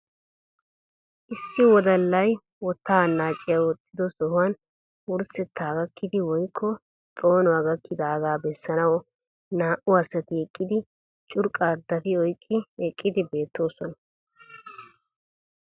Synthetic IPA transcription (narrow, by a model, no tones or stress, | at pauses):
ʔɪsːɪwɔd̪ɐlːɐj | wɔt̪ːanːaːt͡ʃʼːɪjɐwɔt̪ʰːɪd̪ɔsɔhʊwɐn | ʊɾsɛt̪ːaːɡɐkːɪd̪ɪwɔjkʰːɔ | t̪ʼo̞ːnɔɐɡɐkʰːɪd̪aːɡaːbɛsːɐnɐwɔ | naːʔʊɐsːɐt̪ɪɛkʼːɪd̪ɪ | t͡ʃʼʊɾkʼːɐːd̪ːɐt̪ɪɔjkʼːɪɛkʼːɪd̪ɪbe̞ːt̪ːo̞ːsɔnɐ